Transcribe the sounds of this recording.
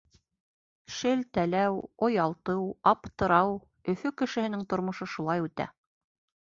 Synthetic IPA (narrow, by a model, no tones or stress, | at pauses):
ʃɘlt̪ælæwŏjɑlˠt̪ɤwɑpt̪ɤ̆ɾɑw | ɵ̆fɵkɘ̆ʃɘ̆hɘ̆nɘŋt̪ŏɾmŏʃɤʃulˠɑjʉt̪æ̰